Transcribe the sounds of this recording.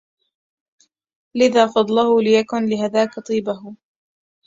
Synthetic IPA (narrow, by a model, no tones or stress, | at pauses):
lɪðaːfɑd̪ˤlahʊlɪjakʊnlɪɦaðaːkat̪ˤiːbah